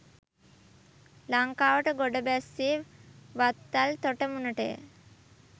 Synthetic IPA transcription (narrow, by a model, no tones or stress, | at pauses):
laŋkaːʋəʈəɡoɖəbæsːiʋat̪ːalt̪oʈəmunəʈəj̰